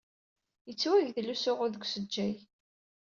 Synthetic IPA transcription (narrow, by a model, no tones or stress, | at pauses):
jət͡sːwæʝðlːusʊʁʊðəɡʷsəd͡ʒːæj